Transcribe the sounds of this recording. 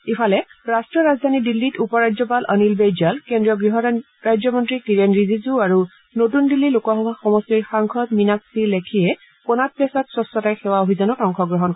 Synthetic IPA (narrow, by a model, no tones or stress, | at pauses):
ipʰalɛɹastɹɔɹazd̪ʱanidilːitupɔɹad͡ʒzɔpalənilbejd͡ʒalkendɹiɔɡɹiɦɔ | ɹad͡ʒzjɔmɔntɹikiɹenɹizizuaɹu | notundilːilokɔxɔbʱaxɔmɔstiɹxaŋkʰɔtminaksiɹlekʰijɛ | pɔnat̚pasɔtsɹɔsɔtajxɛwaobʱizɔnɔtɔŋxɔɡɹɔɦɔnk